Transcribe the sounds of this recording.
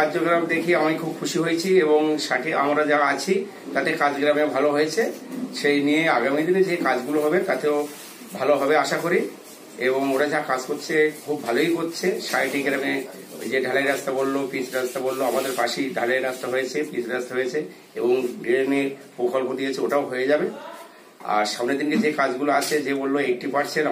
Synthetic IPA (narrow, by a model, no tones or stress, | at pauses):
kad͡ʑoɡɾamd̪ekʰiamikʰub̚kʰuʃiɦoet͡ɕʰieβoŋʃaʈiʔa̰mɾad͡ʑaat͡ɕʰi | t̪at̪ekad͡ʑɡɾamebʱaloɦojet͡ɕʰeʃejnijeaɡamid̪ined͡ʑekad͡ʑɡuloɦɔbet̪at̪eo | bʱaloɦɔbeaʃakoɾi | eboŋoɾad͡ʑakad͡ʑkoɾt͡ɕʰekʰubːʱalojkotːt͡ɕʰeʃajʈiɡɾame | d͡ʑeɖʱaleɾast̪abolːopisɾast̪abolːoamad̪eɾpaʃiɖʱaleɾast̪aɦojet͡ɕʰepisɾast̪aɦojet͡ɕʰe | eboŋɡɾemeɾpokʰolkod̪ijet͡ɕʰeoʈaoɦoed͡ʑabe | a̰ɾʃamned̪inked͡ʑekad͡ʑɡuloat͡ɕʰed͡ʑebolːoek̚ʈipaɾsʰen